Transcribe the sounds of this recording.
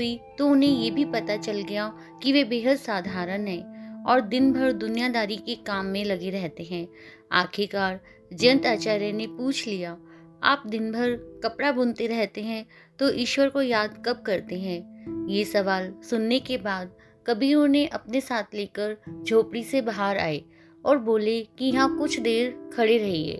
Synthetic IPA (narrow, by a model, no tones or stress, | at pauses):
it̪oʊnɦẽjebʱipɐt̪at͡ʃɐlɡɐja | kiʋebeːɦəd̪saːd̪ʱaːɾənɦɛ̃ːɔːɾd̪ɪnbʱəɾd̪ʊnijad̪aːɾikekaːmːẽlɐɡeɾɛɦt̪eɦɛ̃ː | a̰ːkʰekaːɾ | d͡ʒə̃nt̪aːt͡ʃaːɾjənepuːt͡ʃʰlija | a̰ːp̚d̪ɪnbʱəɾkɐpɽabʊnt̪eɾɛɦt̪eɦɛ̃ | t̪oʔiːʃwəɾkojaːd̪kɐb̚kɐɾt̪eɦɛ̃ːjesɐʋaːlsʊnːekebaːd̪̚ | kɐbʱiõnẽʔɐpnesaːt̪ʰleːkəɾd͡ʒʱoːpɽisebɐɦaːɾa̰ːe | ɔːɾboːlekijɐɦãkʊt͡ʃʰd̪eːɾkʰɐɽeɾɐɦiɛ̰ː